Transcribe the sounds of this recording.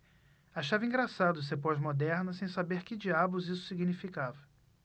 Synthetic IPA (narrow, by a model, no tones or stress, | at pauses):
aʃavɐĩŋɡɾasad̪ʊs̬epojzmod̪ɛɾnɐsẽj̃sabeɾkɪd͡ʒiabʊzisʊ̥siɡinifikavɐ